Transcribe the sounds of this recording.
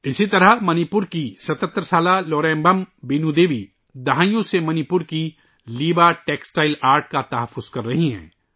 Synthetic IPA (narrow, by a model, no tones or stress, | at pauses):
ɪsit̪ɐɾəɦmɐnipʊɾkisɐt̪ət̪ːɾəsaːlalɔːɾɛ̃ːmbəmbeːnud̪eːʋi | d̪ɐɦaːjõsemɐnipʊɾki | liːbaʈeːksʈaːɪlaːɾʈ̚kat̪ɐɦəfːʊz̥kɐɾːɐɦiɦɛ̰̃ː